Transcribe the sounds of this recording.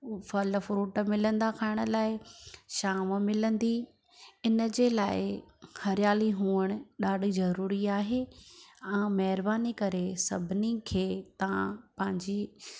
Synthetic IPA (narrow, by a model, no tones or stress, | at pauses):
fɐlfɾuːʈmɪlə̃nd̪akʰaːɪɽ̃ə̆laːɪʃaːməmɪlə̃nd̪i | ɪnəd͡ʑeːlaːɪhɐɾɪjaːliɦuːəɽ̃ʊɗaːɖʱizɐɾuːɾiaːɦeːãːmɐɦɪɾbaːnikɐɾesɐbʱɪnikʰeːt̪ɐãpɐ̃ɦɪ̃ɲd͡ʑiː